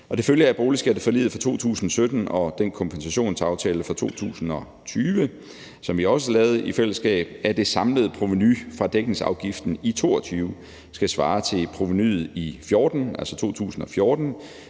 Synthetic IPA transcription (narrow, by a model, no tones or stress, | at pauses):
ʔɒ̽d̥e̝føljəæɐb̥o̝ːlisɡ̥æɐd̥e̝fɒ̽lḭːð̩ˠfʁɑ̈t͡sʰo̝̰ːt͡sʰṵːsn̩ɒsød̥n̩ɒ̽d̥enkʰɒ̽mpʰensæɕo̝̰ːnt͡sʰɑ̈ʊt͡sʰɛːləfʁɑ̈t͡sʰo̝̰ːt͡sʰṵːsn̩ɒ̽ | t͡sʰyːʋə | sɒ̽mʋiɒ̽səlɛːʊð̞̩ˠifel̰əsɡ̥ɛ̰ːb̥æɐd̥e̝sɑ̈mləðˠpʰʁoʋinyfʁɑ̈d̥eɡ̥n̩sɑ̈ʊɡ̥ifd̥n̩it͡sʰo̝̰ːɒt͡sʰyːʊ | sɡ̥æsʋɑ̰̈ːt͡sʰe̝lpʰʁoʋinyð̩ˠifjoːd̥n̩æl̰sɒt͡sʰo̝̰ːt͡sʰṵːsn̩ɒ̽fjɔːd̥n̩